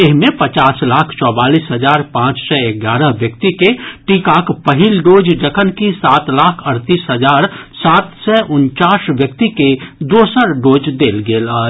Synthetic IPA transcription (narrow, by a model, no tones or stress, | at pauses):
ɪɦmẽpət͡ʃaːslaːkʰt͡ʃɔːbaːliːsɦəd͡ʒaːɾpãːt͡ʃsɛeɡaːɾəɦʋjək̚t̪ikeʈiːkaːkpəɦilɖoːd͡ʒd͡ʒəkʰənkisaːt̪laːkʰəɾt̪iːsɦəd͡ʒaːɾsaːt̪sɛʔʊnt͡ʃaːsʋjək̚t̪iked̪oːsəɾɖoːd͡ʒd̪eːlɡeːlaː